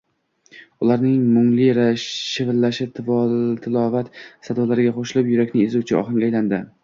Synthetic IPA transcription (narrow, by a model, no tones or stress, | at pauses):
ʊlˠaɾnɪŋmʊŋlɪɾaʃɪvɪlːaʃɪt̪ʰɪvɒlt̪ʰɪlɒvat̪sad̪ɒlaɾɪɡʲaqoʃɪlɪpjʊɾakʲnɪezut͡ʃʰɪɒ̰χɨŋɡʲajland̪ɪ